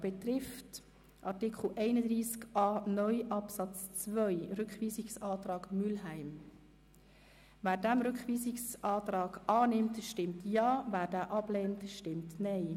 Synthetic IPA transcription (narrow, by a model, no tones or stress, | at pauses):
b̥ɛtɾɪft | ʔɑɾtɪkχl̩ʔɛɪnəd̪ɾiːskɑːnœʏʔɑpsɑt͡st͡svœʏɾʏkχʋiːsɪksɑːtɾɑːɡmylɦæɪm | væːɾdæmɾʏkχviːsɪksʔɑːtɾɑːɡʔɑːnɪmtʃtɪmtjɑːvæːɾdæːʔɑb̥lɛːntʃtɪmtnɛɪ